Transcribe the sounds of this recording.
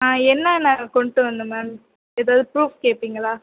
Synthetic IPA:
aːɛnːɐnakɔɳʈːɯʋɐnd̪ɯmɛːm | ɛðaːʋðɯpɾuːfkeːpːiːŋɡɐɭaː

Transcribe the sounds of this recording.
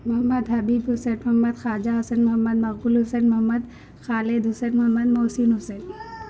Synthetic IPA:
mʊɦɐmːɐd̪ɦɐbiːbɦʊseːnmʊɦɐmːɐd̪xaːd͡ʒaɦɐsɐnmʊɦɐmːɐd̪mɐɣbulɦʊseːnmʊɦɐmːɐd̪ | xaːled̪ɦʊsenmʊɦɐmːɐd̪moːsiːnɦʊseːn

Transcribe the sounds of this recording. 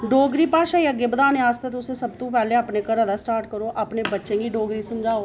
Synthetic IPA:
ɖoːɡɾiːpaːʃajaɡɪbd̪aːneaːst̪et̪ʊsesəb̚t̪õpɛːleəpnekəɾad̪asʈaːɾʈkəɾoːʔəpnebətːʃẽːɡiɖoːɡɾiːsəmd͡ʒaːo

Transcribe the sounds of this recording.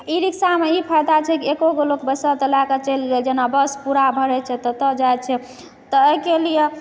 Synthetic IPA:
iɾiksameipʰajd̪at͡ʃʰɛkiekoɡolokbəsət̪əlakət͡ʃelɡeld͡ʒenabəspuɾabʱəɾɛt͡ʃʰɛt̪ɔt̪əd͡ʒajt͡ʃʰɛ | t̪ɔːɦkelije

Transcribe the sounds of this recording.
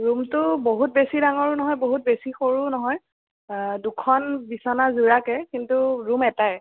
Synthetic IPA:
ɹumtʊboɦut̚besidaŋɔɹunɔɦɔjboɦut̚besixoɹunɔɦɔj | dukʰɔnbisɔnazuɹakɛkintuɹumɛtaj

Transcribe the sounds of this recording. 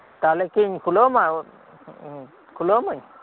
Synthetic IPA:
t̪alekiɲkʰuloma | kʰuloməɲ

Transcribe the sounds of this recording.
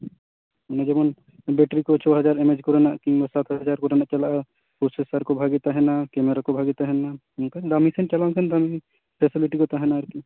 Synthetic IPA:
oned͡ʒemon | beʈɾikot͡ʃʰɔɦɐd͡ʒaɾemed͡ʒkɔɾenaʔkiŋbasat̪ʰɦd͡ʒaɾkɔɾenat͡ʃɐla | pɾosesəɾkobʱaɡit̪aɦɛnakemeɾakobʱaɡit̪aɦɛna | uk̪ad̪amisent͡ʃɐlãkʰend̪ami | pʰesiliʈikot̪aɦɛnaɐɾki

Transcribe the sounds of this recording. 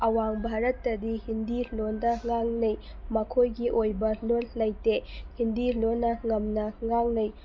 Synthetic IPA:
ɐwaŋbʱaɾɐtːɐdihindilondɐŋaŋnɐj | mɐkʰojɡiʔojbɐlollɐjtehindilonːɐŋɐmnɐŋaŋnɐj

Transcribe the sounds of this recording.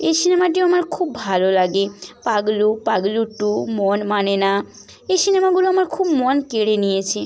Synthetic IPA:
esinemaʈiamaɾkʰubːbʱalolaɡepaɡlupaɡluʈːumɔnmanena | ejsinemaɡuloamaɾkʰubmonkeɽenijet͡ɕʰe

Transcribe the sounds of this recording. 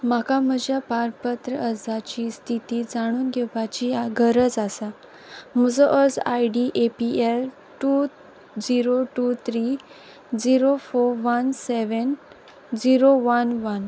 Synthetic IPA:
makaməd͡ʑjapaɾpət̪ɾəəd͡zʱat͡ɕiːst̪ʰit̪iːd͡zaɽ̃uːnɡʱeʋat͡ɕiaɡʱəɾəd͡zasa | məd͡zɔʔəd͡zajɖiʔepiel | ʈu | d͡ziɾoʈut̪ʰɾi | d͡ziɾofoɾʋənseʋən | d͡ziɾoʋənʋən

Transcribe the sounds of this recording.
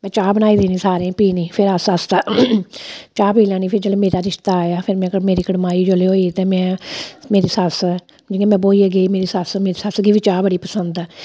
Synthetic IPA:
mɛ̃ːt͡ʃaːbənaːiːd̪eːniːsaːɾẽːpiːnĩːpʰɪɾəsəst̪aː | t͡ʃaːpiːlɛ̃ːniːpʰɪɾd͡ʒəlemeːɾaːɾɪʃt̪aːjaːpʰɪɾmɛ̃ːkəmeːɾiːkəɽmaːiːd͡ʒoleːɦoːiːt̪eːmɛ̃ːmeːɾiːsəs | d͡ʒɪŋeːmɛ̃ːboːiːəɡeiːmeːɾiːsəsmeːɾiːsəsɡiːʋiːt͡ʃaːbəɽiːpəsənd̪ɛː

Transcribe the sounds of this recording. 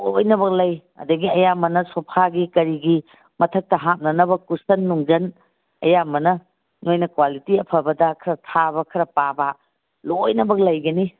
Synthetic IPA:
ojnɐbɐk̚lɐjɐ̰dɐɡiɐjamɐnɐsopʰaɡikɐɾiɡi | mɐtʰɐk̚tɐɦap̚nɐnɐbɐkusɐnːuŋd͡ʒɐn | ɐjamɐnɐ | nojnɐkwalitiɐpʰɐbɐdɐkʰɐɾɐtʰabɐkʰɐɾɐpaba | lojnɐbɐk̚lɐjɡɐni

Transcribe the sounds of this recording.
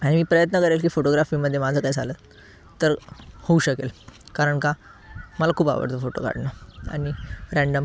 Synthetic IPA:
aɽimiːpɾəjət̪nəkəɾelkiːfoʈoɡɾafiːməd̪ʱjemad͡zʱəːkajd͡zʱalə | t̪əɾhouɕəkelkaɾəɳka | məlakʰuːpa̰ʋə̰ɾt̪əfoʈo̰ka̰ɽnəa̰ɽ̃iɾæ̃ɳɖəm

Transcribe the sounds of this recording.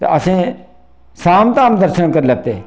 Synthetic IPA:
t̪ḛəsẽː | saːmt̪ãːmd̪əɾʃənkəɾləɡ̚t̪eː

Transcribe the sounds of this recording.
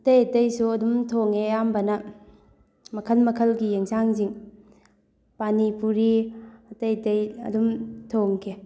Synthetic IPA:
ɐtɐjtɐjsuɐdumtʰoŋejambɐnɐ | mɐkʰɐlmɐkʰɐlɡijeŋsaŋziŋ | panipuɾiɐtɐjtɐjɐ̰dumtʰoŋkʰe

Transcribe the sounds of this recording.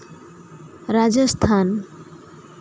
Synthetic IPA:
ɾad͡ʒast̪ʰan

